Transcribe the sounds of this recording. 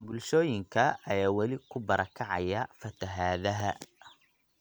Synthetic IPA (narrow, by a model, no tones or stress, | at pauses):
bʊlʃɔːjɪŋkʰɐɐjaːwɐlɪkʰʊbɐɾʔɐkʰɐʕɑ̰jɐfɐt̪ʰɐɦaːðɐɦɐ